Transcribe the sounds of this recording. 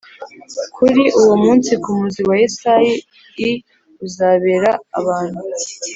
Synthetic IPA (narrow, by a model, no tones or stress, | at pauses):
kʰuɾiʔuwo̞muːnsikumuziwajisajiː | uzaβeɾa̰ːβaːn̥hu